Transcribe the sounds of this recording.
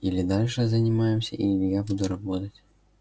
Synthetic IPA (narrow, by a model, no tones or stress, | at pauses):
ilʲɪd̪alʲʂɨzənʲɪmajɪmsʲə̰ʔilʲɪjabud̪ʊɾɐbot̪ətʲ